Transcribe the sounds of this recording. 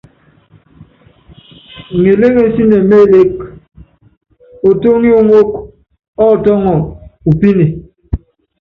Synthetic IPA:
ŋe˨le˦ɣe˦˨n̩˦si˦ne˨me˦˨le˦k̚ | o˨to˦ŋi˦o˦˨ŋo˦k | ɔ˦˨tɔ˦ŋɔ˨u˨pi˦ni˨

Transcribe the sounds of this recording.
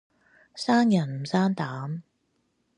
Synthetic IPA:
saː˥njɐ˨˩nm̩˨˩saː˥nt̪aː˨˥m

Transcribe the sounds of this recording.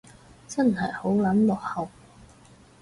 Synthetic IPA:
t͡sɐ˥nɦɐ˨jho˨˥wlɐ˨˥nlɔ˨k̚hɐ˨˩w

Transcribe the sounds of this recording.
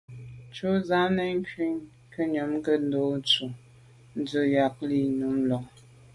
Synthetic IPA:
t͡ʃu˦za˨˦nə˦ŋ˦kɥi˦ŋ | kə˦ɲo˨˦m˦kə˦n̩˦do˨˦n˦t͡su˨ | n̩˦d͡zə˨ja˨k̚li˦˨nu˨˦mlɔ˨ŋ

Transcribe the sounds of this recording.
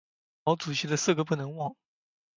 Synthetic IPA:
ɑ˧˥ʊt͡su˨˩ɕi˧˥d̪ə˧sɹ̩˥˩ɡə˨˩p̬u˥˩nɤ˧˥ŋwɑ˥˩ŋ

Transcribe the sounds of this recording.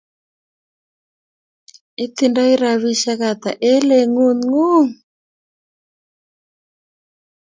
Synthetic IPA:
i˦t̪i˨nda˦i˦ɾa˨βi˦ʃa˦ɣa˨t̪a˨ʔɛ˦lɛ˨ŋu˦nŋu˦ŋ

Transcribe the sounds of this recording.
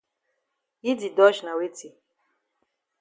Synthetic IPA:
ji˦di˨dɔ˦ʃna˨we˦ti˨

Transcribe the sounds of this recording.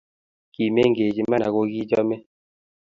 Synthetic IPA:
ki˨me˦ŋɡe˨d͡ʒi˨ma˦na˨ko˦ɡi˦d͡ʒɔ˦me˦

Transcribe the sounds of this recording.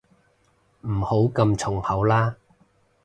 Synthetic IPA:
m̩˨˩ho˨˥wkɐ˧mt͡ʃt͡sʰʊ˨˩ŋhɐ˨˥wlaː˥

